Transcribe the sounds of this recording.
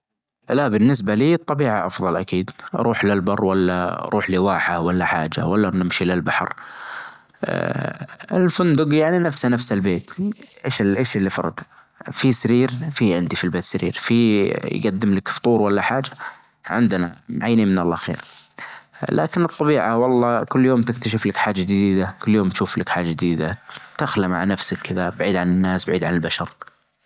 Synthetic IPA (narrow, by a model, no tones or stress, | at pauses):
laʔbɪnːɪs̬baliːɨt̪ˤːɑbiːʕaʔɑfðˤɑlʔakiːd̪ʔɑ̰ɾˤuːħlɪlbɑrˤːwalːa̰ɾˤʔuːħliwaːħahwalːaħaːd͡ʒa̰walːanɪmʃilɪlbaħɾ | ɪ̰lfʊnd̪ʊɡjaʕninafsanafsalbeːt̪ʔeːʃʔeːʃɪlːifɑ̰ɾˤɑ̰ɡ̪ | fisaɾiːɾfiʕɪnd̪ifilbeːt̪sɪɾḭːɾfij̰ɡad̪ːɪmlakft̪ˤuːɾwalːaħaːd͡ʒa | ʕɪ̰nd̪na̰mʕajːniːnmɪnalːaxḛːɾ | lʔa̰ːkɪnɨt̪ˤːɑbiːʕawɑlˤːɑːkʊlːjoːmt̪ɪkt̪aʃ̬ɪflakħaːd͡ʒːad͡ʒɪd̪iːd̪akʊlːjoːmt̪ʃuːflakħaːd͡ʒad͡ʒd̪iːd̪at̪axlama̰ʕanafsakʰːɪðabaʕiːd̪ʕanɪnːaːsbaʕiːd̪ʕanɪlbaʃɑɾˤ